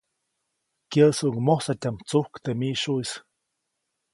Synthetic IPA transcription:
kjəsuŋmosatʲamt͡suhkt̪emiʃuis

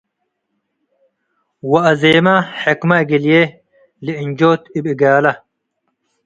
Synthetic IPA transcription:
wɐːzeːmaħekmɐɡilje | liiɲd͡ʑoːt̪ibiɡaːlɐ

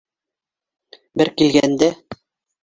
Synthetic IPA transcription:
bɘɾkilɡænd̪æ

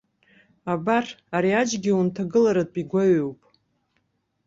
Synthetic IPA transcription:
abaraɾiad͡ʒɡʲiuntʰaɡɨlaɾapʼiɡʷaɥowpʼ

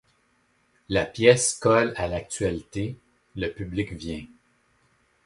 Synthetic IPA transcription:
lapjɛskɔlalak̚t̪ɥalit̪e | ləpyblɪkvjɛ̃

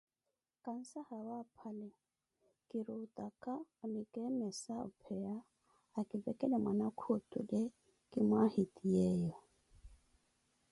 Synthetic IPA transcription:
kʼan̩sahawapʰalɛ | kʼɪɾutʼakʼaʊnɪkʼɛmɛsaʊ̰pʰɛaː | kʼɪvɛkʼɛlɛmwanakʰotʰʼʊ̰le | kʼɪmwahitʼiɛːjɔ

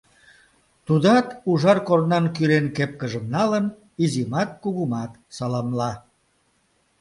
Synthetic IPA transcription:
t̪ud̪ɑt̪uʒɑrkornɑnkylenkep̚kəʒəmnɑlən | izimɑt̪̚kuɣumɑt̪sɑlɑmlɑ

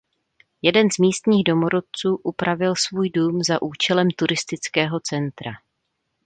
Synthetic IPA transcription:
jɛdɛnzmiːst̪ɲiːɣdo̞moɾot̪̚t͡suːʔupɾavɪlsvuːjduːmzaʔuːt͡ʃɛlɛmt̪uɾɪst̪ɪt͡skɛːɦo̞t͡sɛnt̪ɾa

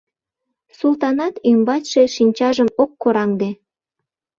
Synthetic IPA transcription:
sult̪ɑnɑt̪ymbɑtʲʃeʃinʲt͡ɕɑʒəmokːoɾɑŋd̪e

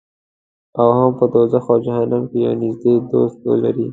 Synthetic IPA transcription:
awhampəd̪ozaxɑd͡ʒahanamkeja̰nizd̪ed̪ost̪̚o̰la̰ɾi

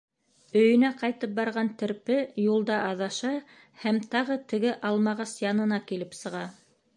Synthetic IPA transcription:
ɵ̆jɵ̆næqɑjt̪ɤp̚bɑɾʁɑnt̪ɘ̆ɾpɘjulˠd̪ɑʔɑðɑʃɑ | hæmt̪ɑʁɤt̪ɘ̆ɡɘʔɑlˠmɑʁɑsjɑnɤ̆nɑkilɘpsɤ̆ʁɑ

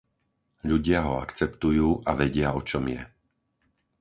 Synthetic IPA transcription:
ʎuɟɪaɦɔa̰kt͡sɛpt̪ujuːʔaʋɛɟɪaɔt͡ʃɔmjɛ

